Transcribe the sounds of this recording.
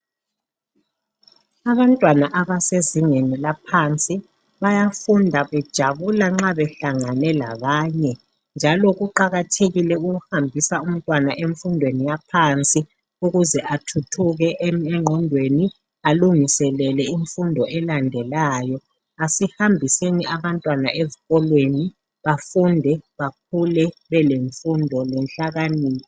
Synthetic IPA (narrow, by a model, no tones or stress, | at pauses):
aβantʼwanaʔaβaseziŋenilapʰant͡sʼi | βajafundʱaβɛd̥ʒ̥ʱaβulaŋ͡ǁaβɛɬaŋanɛlaβaːɲɛ | nd͡ʒʱalɔɣuǃaɣatʰeɣilɛuɣuhambʱisaum̩tʼwanaʔeɱfundʱwenijapʰant͡sʼi | uɣuzɛʔatʰutʰuɣɛʔɛŋ͡ǃʱɔndʱweni | aluŋisɛlɛlɛiɱfundʱɔʔɛlandʱɛlaːjɔ | asihambʱiseniʔaβantʼwana̰ʔeziɣɔlweni | βafundʱɛβak̚ʰulɛβɛleɱfundʱɔlɛnɬaɣaniːli